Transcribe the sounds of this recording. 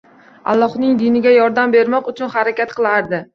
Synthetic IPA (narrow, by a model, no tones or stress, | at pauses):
a̰lˠːɒhnɪŋd̪ɪnɪɡʲajɒɾd̪ambe̞ɾmɒqʊt͡ʃʰʊnhaɾakʲat̪qʰɨlˠaɾd̪ɪ